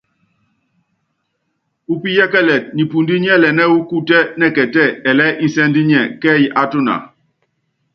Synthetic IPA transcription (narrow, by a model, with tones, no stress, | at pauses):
u˦pi˦jɛ˦kɛ˦lɛ˨t̚ni˨pu˨ndi˦ɲ˦ɛ˦˨lɛ˨nɛ˦u˦ku˦tɛ˦nɛ˦˨kɛ˨tɛ˦˨ɛ˨lɛ˦ʔi˦sɛ˦ndi˦ɲɛ˦˨kɛ˦ji˨˦ʔa˨to˦na̰˨